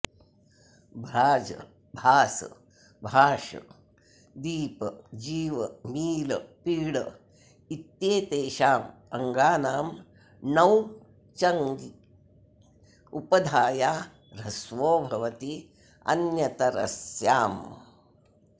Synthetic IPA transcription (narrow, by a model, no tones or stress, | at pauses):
bʱɾaːd͡ʒɐ̰ | bʱaːsɐ̰ | bʱaːʂɐ̰ | d̪iːpɐd͡ʒiːʋɐmiːlɐpiːɽɐ | it̪jeːt̪eːʃaːmɐŋɡaːnaːm | nɐw | t͡ʃɐŋɡi | upɐd̪ʱaːjaː | ɾɐsʋoːbʱɐʋɐt̪i | ɐ̰njɐt̪ɐɾɐ̰sjaːm